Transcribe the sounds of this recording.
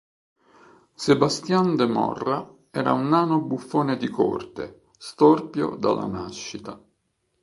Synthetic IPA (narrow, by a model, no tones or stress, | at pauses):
sebast̪jand̪emɔ̰rːa | ɛːɾa̰unːaːnobufːoːned̪iko̰rt̪ḛ | st̪orpjo̰d̪a̰la̰naʃːit̪a